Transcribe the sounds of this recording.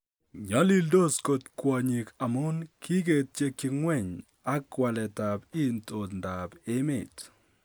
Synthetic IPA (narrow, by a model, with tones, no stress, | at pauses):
ɲɔ˨˦li˦ldo˦˨sko˨tkwɔ˨ɲi˨ka˨mʊ˦nki˦ɡe˨t̚t͡ʃe˦ki˨ŋwɛ˦˨ɲ | a˦kwa˨lɛ˨ta˨bi˦nto˨dnda˨bɪ˦mɪ˨t